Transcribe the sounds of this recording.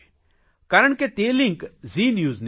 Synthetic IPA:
kaːɾəɳ̃ket̪eːlɪ̃ŋkziːnjuːzn

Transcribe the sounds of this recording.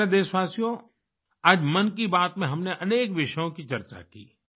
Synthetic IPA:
ed̪eːʃʋaːsijõ | aːd͡ʒmɐnkibaːt̪mẽɦɐmneʔɐneːkʋɪʃjõkit͡ʃɐɾt͡ʃa̰kḭː

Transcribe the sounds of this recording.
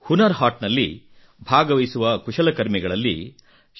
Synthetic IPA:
hunɐɾhaːʈnɐlːḭ | bʱaːɡɐʋɐjsuʋɐkuʂɐlɐkɐɾmiɡɐɭɐlːḭ

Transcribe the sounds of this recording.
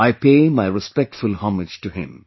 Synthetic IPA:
aɪpeɪmaɪɹɨspɛk̚tfʊlˠhɑmɪ̥d͡ʒ̥tɨhɪ̰̃m

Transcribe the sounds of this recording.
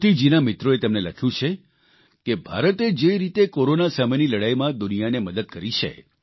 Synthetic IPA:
t̪id͡ʒinamɪt̪ɾoet̪emneləkʰjũt͡ʃʰe | kebʱa̰ɾət̪ed͡ʒeɾit̪ekoɾonasameniləɽajmãd̪ʊnijaneməd̪əd̪̚kəɾit͡ʃʰḛ

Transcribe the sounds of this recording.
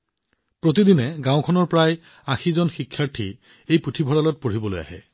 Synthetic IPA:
pɹot̬idinɛɡãʊkʰɔnɔɹpɹaj | axizɔnxikʰːaɹtʰḭ | ejputʰibʱɔɹalɔt̚poɹ̤ibɔloja̰ɦɛ̰

